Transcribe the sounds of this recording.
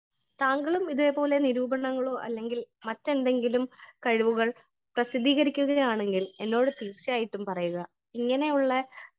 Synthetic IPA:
t̪aːŋɡɐɭumiðuʋe̞po̞ːle̞niɾuːbɐɳɐŋːɐɭoːʔɐ̰lːe̞ŋɡilmɐtːe̞nd̪e̞ŋɡilumkɐɻiʋuɣɐɭ | prɐsid̪ːiːɣɐɾikʲːuɣɐjaːɳe̞ŋɡile̞nːo̞ːɽɨt̪iːrt͡ɕaːjiʈːumpɐrɐjuɣɐ | iŋːɐne̞juɭːɐ

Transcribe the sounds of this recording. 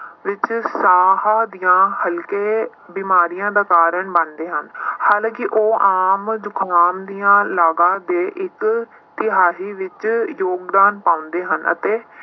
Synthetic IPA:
ʋɪt͡ʃsaːɦaːd̪ijãːhəlkeː | biːmaːɾijãːd̪aːkaːɾəɳbənd̪eːɦənhaːlãːkɪʔoːʔaːmd͡ʒʊkʰaːmd̪ijãːlaːɡãːd̪eːʔɪk | t̪ɪɦaːɦiːʋɪt͡ʃjoːɡd̪aːnpãːʊ̃nd̪eːɦə̰nə̰t̪eː

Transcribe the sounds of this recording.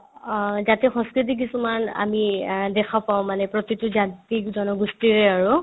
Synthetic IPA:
zatɛxɔ̃nskɹit̬ik̬isumana̰midɛkʰapaw̃manɛpɹɔtituzantikdɔnɔɡustiɹɛaɹu

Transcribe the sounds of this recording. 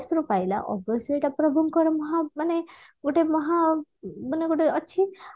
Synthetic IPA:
sɾupajla̰ʔɔɡɔseʈapɾɔbʱuŋkɔɾemɔɦamaneɡoʈemɔɦamaneɡoʈeɔːʃʰi

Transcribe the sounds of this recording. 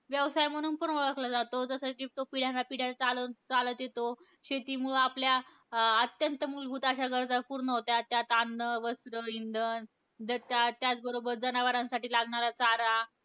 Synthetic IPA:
ʋjəʋsajm̤əɽ̃uːnpənoɭəkʰlad͡zat̪od͡zəsəkit̪opiɽ̤anːapiɽ̤jat͡salət͡salət̪jet̪o | ɕet̪iːmuɭaplja | ət̪jənt̪əmuːlɡʱuːt̪aɕaɡəɾd͡zapuɾɳəɦot̪jat̪jat̪anːəʋəsɾəind̪ən | d̪t̪at̪jat͡sbəɾobəɾd͡zənaʋəɾãnsaʈiːlaɡɳaɾat͡saɾa

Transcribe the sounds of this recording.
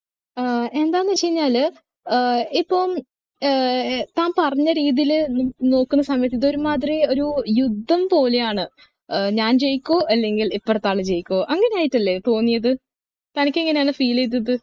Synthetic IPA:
e̞nd̪aːjnːɨt͡ɕe̞jiɲːaːl | ipːoːm | t̪aːmpɐrɐɲːɐɾiːðijilno̞ːkːunːɐsɐmjɐt̪ːit̪ːo̞ɾumaːt̪̬ːrio̞ɾujud̪ʱːɐmpo̞ːle̞jaːɳɨ | ɲaːnt͡ɕe̞jikʲːoːʔɐlːe̞ŋɡilipːoːɽt̪ːaːɭɨt͡ɕe̞jikʲːoːʔɐŋːɐne̞jaːjiʈːɐlːe̞t̪o̞ːnːijɐðɨ | t̪ɐnikʲːeŋːɐne̞jaːɳɨfiːlejt̪̬ːuɐt̪ːɨ

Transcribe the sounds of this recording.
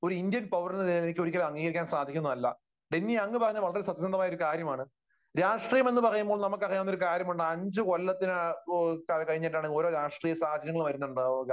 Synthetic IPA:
o̞ɾuind̪jɐnpɐʋɐrnːɐðielenikʲːo̞ɾikʲːɐlmɐŋːiːɣɐɾikʲːaːnsaːd̪ʱikʲːunːɐɐlːɐ̰ | ɖenːiɐŋːɨpɐrɐjɲːɐʋɐɭːɐɾesɐt̪ːjɐsɐnd̪ɐmaːjoɾukaːɾjɐmaːɳɨ | ɾaːʂʈrijɐme̞nːɨpɐrɐjumboːɭnɐmukːɨɐrɐjːɐnːoɾukaːɾjɐmuɳɖɨɐɲd͡ʑɨko̞lːɐt̪ːinkkɐɻiɲːiʈːaːɳo̞ːɾo̞ːɾaːʂʈrijɐsaːhɐd͡ʑɐɾɐŋːɐɭʋɐɾunːuɳɖɨ

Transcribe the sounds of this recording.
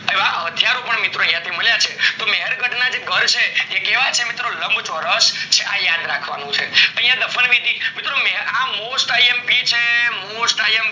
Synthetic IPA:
əʋaɦət̪ʰjaɾopəɳmɪt̪ɾoəj̃jãt̪ʰiməljat͡ʃʰet̪omɛɦəɾɡʱəʈʰnad͡ʒeɡʱəɾt͡ʃʰeekeʋajt͡ʃʰemit̪ɾoləmbt͡ʃoɾəst͡ʃʰeʔajad̪ɾakʰʋa̰nũt͡ʃʰḛt̪ə̃ɦĩjãd̪əfʰəlʋid̪imɪt̪ɾomɛɦamosʈaiempit͡ʃʰemosʈaiemp

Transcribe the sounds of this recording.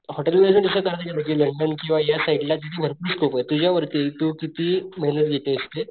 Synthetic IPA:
hɔʈelʋed͡zənd̪isəkaɾt̪ekeb̪ʱakiːləɳɖənkĩw̃ʋajasaiʈlat̪it̪ʰiːnəɾkuːskʰopəjt̪ud͡ʑjaʋəɾt̪it̪uːkit̪iːmeɦnət̪ɡʱet̪eəst̪e

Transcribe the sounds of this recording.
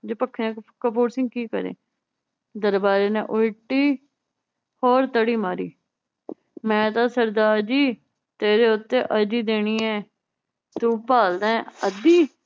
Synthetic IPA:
d͡ʒoːpəkʰːẽːkkəpʰoːɾsɪ̃ŋɡ̚kiːkə̰ɾḛː | d̪əɾbaːɾeːnḛ̃ːʔʊɪʈiː | hoːɾt̪əɽiːmaːɾḭː | mɛ̃ːt̪ãːsəɾd̪aːd͡ʒiː | t̪eːɾeːʊt̪ːeːʔəd͡ʒiːd̪eːɽ̃iːɛː | t̪ũːpaːld̪ɛ̃ːəd̪iː

